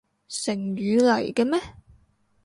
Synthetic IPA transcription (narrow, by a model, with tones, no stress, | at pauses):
sɪ˨˩ŋɥyː˨˧lɐ˨˩jkɛ˧mɛː˥